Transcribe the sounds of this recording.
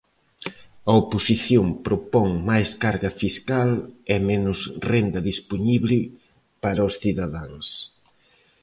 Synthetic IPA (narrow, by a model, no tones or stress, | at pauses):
ɐoposiθjompɾopɔŋmajskaɾɣɐfiskalɛmɛnʊsrend̪ɐðisponiβlɪ | paɾɐosθiðɐðaŋs